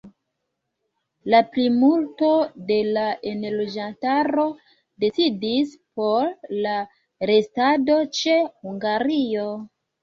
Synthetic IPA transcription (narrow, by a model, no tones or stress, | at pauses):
laplimulto̞de̞laʔe̞nlo̞d͡ʒantaɾo̞ | de̞t͡sidispo̞ɾla | ɾe̞stado̞t͡ʃe̞huŋɡaɾio̞